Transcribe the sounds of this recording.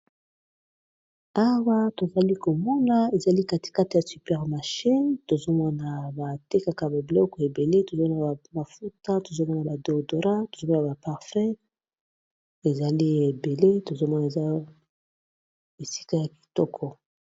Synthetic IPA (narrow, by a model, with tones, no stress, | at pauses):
a˦wa˦to˨za˨li˦ko˨mɔ˦na˨e˨za˨li˦ka˦ti̥˨ka˦ti˨ja˨sy˨pɛ˨ʁma˨ʃi˦nto˨zo˦mɔ˦na˨ba˨te˦ka˨ka˨ba˨bi˨lɔ˦kɔ˨e˨be˨le˦to˨zo˦mɔ˦na˨a˨ma˨fu˦ta˦to˨zo˦mɔ˦na˨ba˨do˨do˨ʁa˦to̥˨zo˦mɔ˦n˨a˨ba˨pa˨ʁfɛ˦ | e˨za˨li˦e˨be˨le˦to˨zo˦mɔ˦na˨e˨za˦ | e˨si̥˦ka˦ja˨ki̥˨tɔ˦kʰɔ˨